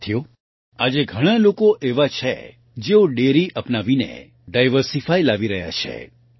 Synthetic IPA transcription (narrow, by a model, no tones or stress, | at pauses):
t̪ʰijo | ad͡ʒeɡʱəɽ̃alokoʔeʋat͡ʃʰḛ | d͡ʒeoɖeɾiʔəpnaʋinḛ | ɖajʋəɾsifajlaʋiɾəɦja̰t͡ʃʰḛ